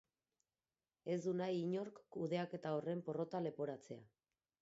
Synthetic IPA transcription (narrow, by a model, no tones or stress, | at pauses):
e̞zd̪unajiɲo̞ɾkːuðe̞ake̞t̪aore̞mpo̞ro̞t̪ale̞po̞ɾat͡se̞a